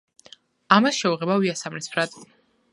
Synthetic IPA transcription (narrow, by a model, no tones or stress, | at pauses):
amasʃɛuʁɛbaviasamɾispʰɾad̪